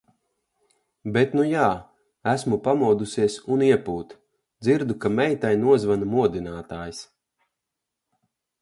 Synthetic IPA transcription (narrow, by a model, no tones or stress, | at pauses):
bet̪nujaː | æsmupamuɔd̪usiɛsuniɛpuːt̪ | d̪ziɾd̪ukamɛjt̪ajnuɔzvanumuɔd̪inaːt̪aːjs